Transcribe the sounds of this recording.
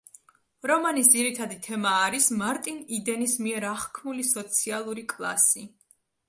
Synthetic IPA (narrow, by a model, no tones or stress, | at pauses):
ɾɔmanisd̪ziɾit̪ʰad̪it̪ʰɛmaːɾismaɾt̪ʼinid̪ɛnismiɛɾaχkʰmulisɔt̪sʰialˠuɾikʼlˠa̰si